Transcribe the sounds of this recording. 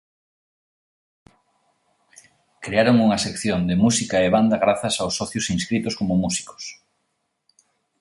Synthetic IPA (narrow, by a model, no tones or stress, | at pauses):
kɾeaɾoŋuŋɐsekθjond̪ɪmusikaeβand̪ɐɣɾaθɐsawsːɔθjosinskɾit̪ʊskomomusi̥ko̥s